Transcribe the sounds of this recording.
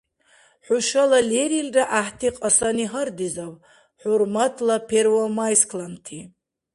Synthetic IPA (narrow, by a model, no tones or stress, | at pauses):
ħʷʊʃalaleɾilraʔaħtʰiqʼasaniɦard̪izaw | ħʊrmatʰlapʰerwamajskʰlantʰi